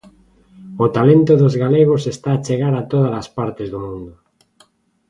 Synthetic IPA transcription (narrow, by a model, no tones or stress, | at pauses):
ʊt̪alent̪ʊðozɣaleɣosest̪aːt͡ʃeɣaɾat̪oðalɐspaɾt̪ezðomũnd̪ʊ